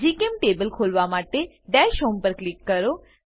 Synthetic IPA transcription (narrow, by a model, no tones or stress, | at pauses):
d͡ʒikemʈebəlkʰolʋamaʈe | ɖɛʃɦompəɾklikːəɾo